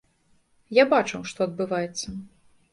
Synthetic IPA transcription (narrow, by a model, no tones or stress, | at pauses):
jabat͡ʂɨwʂt̪ɔɐd̪̚bɨvajɛt̪sːɐ